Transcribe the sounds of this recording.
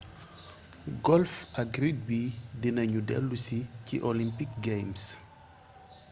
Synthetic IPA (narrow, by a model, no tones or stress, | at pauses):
ɡɔlfɐɡɾid̚bidinɐɲudɛ̰lːusicḭʔɔlimpikɡejms